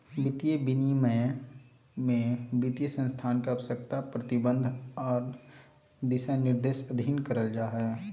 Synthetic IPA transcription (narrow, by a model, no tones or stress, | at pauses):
bɪt̪ijəbɪnimɛ̃ | mẽbit̪ijəsə̃nst̪ʰaːnkaɐʋsəkt̪apɾɐt̪ɪbə̃nd̪ʱɔːɾ | d̪ɪʃanɪɾd̪eːʃɐd̪ʱinkəɾəld͡ʒaːɦɛ